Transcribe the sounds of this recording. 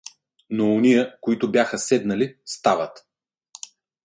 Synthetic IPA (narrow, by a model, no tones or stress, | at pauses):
noːnijəkoit̪ʊbjaxəsɛd̪nɐlist̪avɐt̪